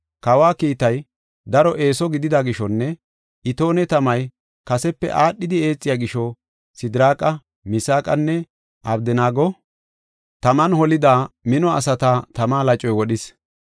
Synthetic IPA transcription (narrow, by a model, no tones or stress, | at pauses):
kɐwaːkiːt̪ɐj | d̪ɐɾɔʔe̞ːsɔɡɪd̪ɪd̪aɡɪʃɔnːɛ | ʔɪt̪o̞ːnɛt̪ɐmɐj | kɐsɛpːɛ̰ʔaːɗːɪd̪ɪe̞ːt͡sʼːɪjaːɡɪʃɔ | sɪd̪ɾaːkʼɐ | mɪsaːkʼɐnːɛ | ʔɐbd̪ɪnaːɡɔ | t̪ɐmɐnhɔlɪd̪aːmɪnɔɐ̰sɐt̪at̪ɐmaːlɐt͡ʃʼːɔjwɔɗɪs